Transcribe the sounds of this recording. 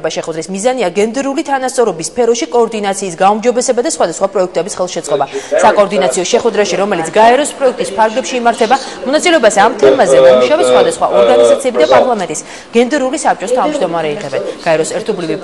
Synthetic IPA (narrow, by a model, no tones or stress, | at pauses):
baʃɛχwɛd̪ɾismizaniaɡɛnd̪ɛɾulit̪ʰanast̪sʼɔɾɔbispʰɛɾɔʃikʼɔːɾd̪inat̪sʰiːsɡaumd͡ʒɔbɛsɛbad̪asχwad̪asχwapʼɾɔɛk̚ʰt̪ʼɛbisχɛlˠʃɛt̪sʼqʼɔbasakʼɔːɾd̪inat̪sʰiɔʃɛχwɛd̪ɾaʃiɾɔmɛlit̪sɡaɛɾɔspʼɾɔɛk̚ʰt̪ʼispʰaɾɡlɛpʃiːmaɾt̪ʰɛba | mɔnat̪sʼilɛɔbasɛamt̪ʰɛmazɛnamuʃavɛt̪sχwad̪asχwa̰ʔɔɾɡanizat̪sʰiɛbid̪apʼaɾlˠamɛnt̪ʼis | ɡ̥ɛnd̪ɛɾulisap̚t͡ʃʼɔst̪ʰavmd͡ʒd̪ɔmaɾɛiʁɛbɛnɡ̥aɛɾɔsɛɾt̪ʰɔblivi